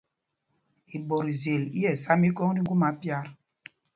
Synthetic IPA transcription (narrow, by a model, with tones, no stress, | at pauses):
i˨ɓɔ˨ɾi˨ze˨li˦jɛ˨sa˦mi˦kɔ˦ŋdi˦ɡu˦ma˨˦pja˦˨ɾ